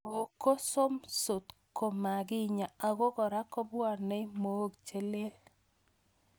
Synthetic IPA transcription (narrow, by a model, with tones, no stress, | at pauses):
o˨ko˦so˦mso˨t̪ko˨ma˨ɡɪ˦ɲa˨a˨ɡo˦ɡɔ˨ɾa˦kɔ˦bwa˦˨rnɛ˦mo˨˦ɡt͡ʃe˦le˦l